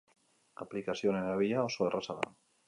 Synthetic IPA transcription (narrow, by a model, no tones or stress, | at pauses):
a̰plikasjoneaβiaosoerʔasaða̰ŋ